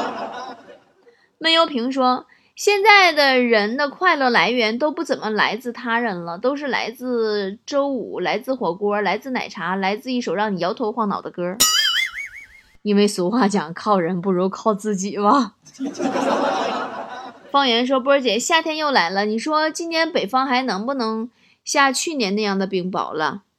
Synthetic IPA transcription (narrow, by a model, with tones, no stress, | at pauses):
mə˥njo˧˥ʊpʰi˧˥ŋʂwɔ˥ | ɕjɛ˥˧nt͡sa˥˩ɪd̪ə˩ɻə˧˥nd̪ə˧kʰwa˥˧ɪlɤ˥˩la˧˥ɪɥɛ˧˥nt̪o˥ʊpu˥˩t͡sə˨˩nmə˦la̰˧˥ɪt͡sɹ̩˥˩t̪ʰa˥ɻə˧˩nlə˨t̪o˥ʊʂ̬ɻ̩˥˩la̰˧˥ɪt͡sɹ̩˥˩ʈ͡ʂo˥ʊṵ˨˩˦la˧˥ɪt͡sɹ̩˥˧xwɔ˨˩kɔ˥ə˞˧la˧˥ɪt͡sɹ̩˥˩na̰˨˩ɪʈ͡ʂʰa˧˥la˧˥ɪt͡sɹ̩˥˧i˥˩ʂo˨˩ʊɻɑ˥˩ŋni˨˩jɑ˧˥ʊt̪ʰo˧ʊxwa˥˩ŋnɑ̰˨˩ʊd̪ə˦kɤ˥ | i˥nwe˥˧˩ɪsu˧˥xwa˥˩t͡ɕjɑ˨˩ŋkʰɑ˥˩ʊɻə˧˥npu˥˩ɻu˧˥kʰɑ˥˧ʊt͡sɹ̩˥˩t͡ɕi˨˩bɐ˩˦ | fɑ˥ŋɥɛ˧˥nʂ̬wɔ˥p̬u˧˥t͡ɕjɛ˨˩ɕja˥˩t̪ʰjɛ˥njo˥˩ʊla˧˥ɪlə˧ni˨˩ʂwɔ˥t͡ɕi˥nt̪ʰjɛ˧˥npe˨˩ɪfɑ˥ŋxa˧˥ɪnɤ˧˥ŋpu˥˩nɤ˧˥ŋ | ɕja˥˧t͡ɕʰy˥˩njɛ˧˥na˥˧jɑ˥˩ŋd̪ə˩pi˧˩ŋpɑ̰˨˩ʊlə̰˧